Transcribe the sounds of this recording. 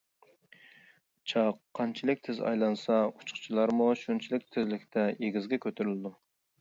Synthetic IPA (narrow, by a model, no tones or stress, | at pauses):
t͡ʃʰɑqʰːɑnt͡ʃʰilɪk̚ʲt̪ʰɪzɑ̰jlˠɑnsɑut͡ʃʰχt͡ʃʰilˠɑɾmuʃunt͡ʃʰilɪk̚ʲt̪ʰɪzlɪkʲt̪ʰɛjeɡʲizɡʲɛkʲʰøt̪ʰyɾylɪd̪u